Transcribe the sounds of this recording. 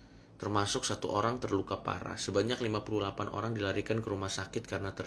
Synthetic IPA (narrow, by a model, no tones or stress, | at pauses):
t̪ərmasʊksat̪uʔoɾaŋt̪ərlukapa̰ɾa̰səbaɲaklimapuluhlapanʔo̰ɾaŋdilaɾikankəɾumahsakɪt̪̚kaɾənat̪ər